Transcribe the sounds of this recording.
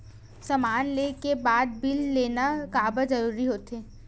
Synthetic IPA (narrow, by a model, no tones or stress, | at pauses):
sɐmaːnleːkebaːd̪̚bɪlːeːnakaːbəzɐɾuːɾiɦoːt̪eː